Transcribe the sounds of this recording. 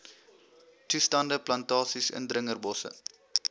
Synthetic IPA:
tustɐndəplɐntɑːsisə̰ndɾəŋərbɔsə̰

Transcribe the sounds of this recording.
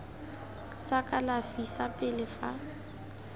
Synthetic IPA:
sakʼalafisapʼɪlɪfa̰

